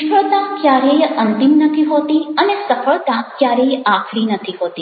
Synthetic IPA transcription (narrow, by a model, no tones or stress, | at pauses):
fəɭt̪ãkjaɾejənt̪imnət̪ʰiɦot̪iənesəfəɭt̪ãkjaɾejakʰɽinət̪ʰiɦot̪i